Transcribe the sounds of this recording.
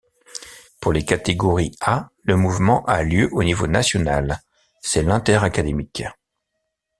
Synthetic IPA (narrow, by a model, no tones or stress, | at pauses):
puʁlekat̪eɡɔʁialəmuvmɑ̃ʔaljøʔonivonasjɔnal | sɛlɛ̃t̪ɛʁakad̪emik